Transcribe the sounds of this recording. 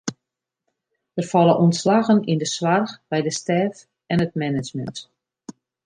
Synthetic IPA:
ʋərfalˠəʔɔntslaɣənindəswarxbɛjdəstɛːf | ɛnət̚mɛnɪt͡ʃmə̰nt

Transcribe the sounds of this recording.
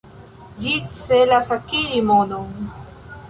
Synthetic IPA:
d͡ʒit͡selasakilimonoŋ

